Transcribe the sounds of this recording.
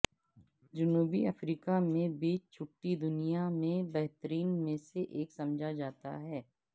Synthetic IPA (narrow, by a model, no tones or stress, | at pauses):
d͡ʒʊnuːbiɐfɾiːkamẽbiːt͡ʃt͡ʃʰʊʈːid̪ʊnijamẽbɛɦt̪əɾiːnmẽseʔeːksɐ̃md͡ʒʱad͡ʒaːt̪a̰ɦɛː